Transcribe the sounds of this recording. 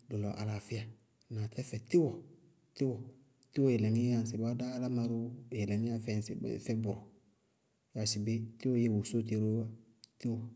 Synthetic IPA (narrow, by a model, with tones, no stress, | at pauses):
dɔ˨lɔ˨ʔa̰˨la˨fɪ˦a˨ | na˨tʰɛ˦fɛ˨tɪ˦wɔ˨ | tɪ˦wɔ˨ | tɪ˦wɔ˦˨jɛ˨lɛ˨ni˦a˨n̩˨sɪ˨ba˦daː˦la˦ma˨ɾu˦˨ɛ˨lɛ˨ni˦a˦fɛ˨n̩˨sɪ̰˨b̰fɛ˦bʊ˨ɾʊ˨ | ja˨sɪ˨be˦tɪ˦wɔ˦je˦wo˨so˦te˨ɾo˦a˦ | ti˦wɔ˨